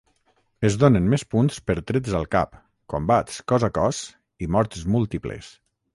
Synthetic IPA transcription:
əzðonənmɛspunspəɾt̪ɾezəlˠka̰p | kombat̪skɔzakɔs | imɔɾt̪zmulˠt̪iplḛs

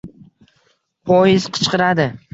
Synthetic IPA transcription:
pʰɒjɪz̥qʰɨ̥t͡ʃqʰɨɾad̪ɪ

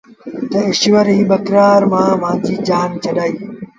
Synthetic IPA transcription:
t̪ɐɪʃʋəɾɦiːɓɐkɾaːɾmãːʋ̤ãːd͡ʑiːd͡ʑaːnt͡ɕʰɐɗaːiː

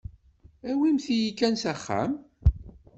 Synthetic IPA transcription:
æwimθijikːænsæχːæ̰m

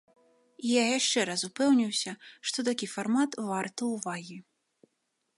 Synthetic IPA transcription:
ijajaʂt͡ʂɛɾasupɛwnʲiwsʲɐʂt̪ɔt̪̬akʲifarmat̪vart̪ɐwvaɣʲi

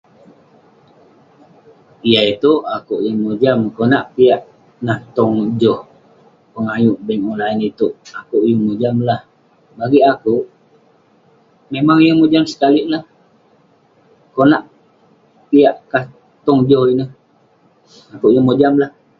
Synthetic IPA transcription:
ijait̪uʔakuʔjəŋmod͡ʒamkonaʔpijaʔ | naht̪ɔŋd͡ʒɔh | pəŋajuʔbɛŋonlainit̪uʔakuʔjəŋmod͡ʒamlah | baɡiʔakuʔ | memaŋjəmod͡ʒamsə̥kaliʔlah | konaʔ | pijaʔkah | t̪ɔŋd͡ʒɔhinəh | akuʔjəŋmod͡ʒamlah

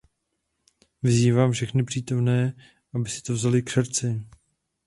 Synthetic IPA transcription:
vɪziːvaːmfʃɛxnɪpr̝̥iːt̪o̞mnɛː | ʔabɪsɪ̥t̪ovzalɪksɛɾt͡sɪ

